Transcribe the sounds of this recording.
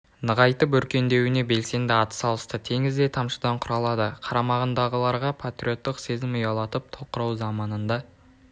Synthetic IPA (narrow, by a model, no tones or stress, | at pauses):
nəʁɑjt̪əp̬ɵɾkʲe̞nd̪e̞wɪne̞be̞lse̞nd̪ɪɑt̪ə̥sɑlˠəst̪ət̪ʰe̞ŋɪzd̪et̪ʰɑmʃəd̪ɑɴqʰʊɾɑlˠɑd̪əqʰɑɾɑmɑʁənd̪ɑʁəlˠɑɾʁɑpʰat̪ɾʲio̞t̪ːɪqse̞zɪmʊjɑlˠɑt̪əp̚t̪ʰoqəɾɑwzɑmɑnənd̪ɑ